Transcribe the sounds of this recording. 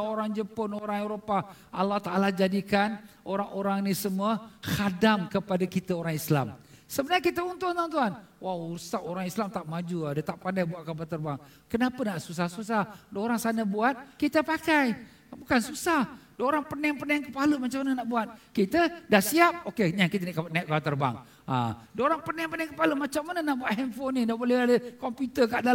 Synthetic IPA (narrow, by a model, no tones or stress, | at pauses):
oɾaŋd͡ʒəpʊnoɾaŋeɾopa | alːaht̪aalad͡ʒadikanoɾaŋoɾaŋnisəmuəhadamkəpadakit̪aoɾaŋisla̰msəbənaɲakit̪əunt̪ʊnt̪uant̪̬uɦanwawusaoɾaŋislamt̪aʔmad͡ʒuadət̪aʔpandajbuat̪̚kabat̪ərbaŋ | kənapənaʔsus̬ahsus̬adooɾaŋsanabuat̪̚kit̪əpakaj | bukansusahdoɾaŋpənaŋpərnaaŋkəpaləmat͡ʃamanənaʔbuat̪̚kit̪ədahsiap̚okeɲakit̪ənaʔkaanaaʔ̚kabat̪ərba̰ŋ | a̰doɾaŋpənaaŋpənaaŋkəpaləmat͡ʃamːanənaʔbuat̪hɛmfonĩdabolɛhadəkɔmpjut̪əkaʔda